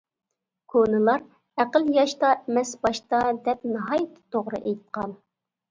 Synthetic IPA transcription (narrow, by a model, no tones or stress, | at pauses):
kʰonɨlˠɑɾ | æqəljɑʃt̪ɑʔɛmɛsbɑʃt̪ɑd̪ɛp̚nɨɦɑjɨt̪ʰːt̪ʰːoʁɾɨ̰ʔejt̪̚qʰɑl